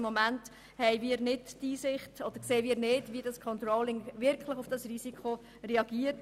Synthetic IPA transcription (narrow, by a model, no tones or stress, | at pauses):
mːɔmænt | hɛɪʋiːɾnɪtːiːsɪχtɔd̪əɾkseːmiːɾnɪːdʋidɑskʰɔnt̪ɾɔːlɪŋʋɪɾkχləχʊfd̥ɑsrisikχo | rɛɑɡ̥iːəɾt